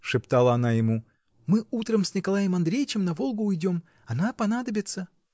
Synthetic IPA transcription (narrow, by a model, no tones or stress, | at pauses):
ʂɨpt̪alˠəɐnajɪmu | mɨut̪ɾəmsʲnʲɪkɐlˠajɪmɐnd̪ɾʲejt͡ɕɪmnɐvo̞lˠɡʊːjdʲo̞m | ɐnapɐnad̪əbʲɪt̪sə